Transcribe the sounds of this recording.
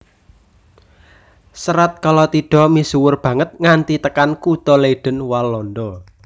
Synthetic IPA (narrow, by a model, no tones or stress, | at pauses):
səɾat̪̚kalɔt̪iɖ̥ɔ̤misuwʊrb̥ä̤ŋət̪̚ŋant̪it̪əkankut̪ɔleɖ̥ə̤nwalːɔnd̪ɔ